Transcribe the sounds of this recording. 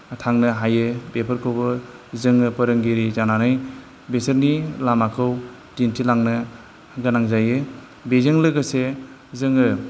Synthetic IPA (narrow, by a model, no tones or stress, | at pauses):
atʰaŋnɯɦajɯbepʰəɾkʰɔbɯzɯŋɯpəɾɯŋɡiɾizananɯj | besəɾnilamakʰɯw | dintʰilaŋnɯ | ɡanaŋzajɯ | bezɯŋlɯɡase | zɯŋɯ